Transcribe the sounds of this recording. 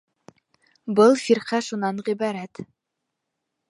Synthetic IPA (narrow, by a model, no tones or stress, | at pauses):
bɤlˠfiɾqæʃunɑnʁibɑɾæt̪